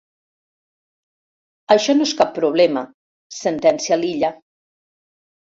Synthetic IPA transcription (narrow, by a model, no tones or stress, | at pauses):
əʃɔnoeskapːɾuβ̞lɛmə | sənt̪ɛnsialiʎə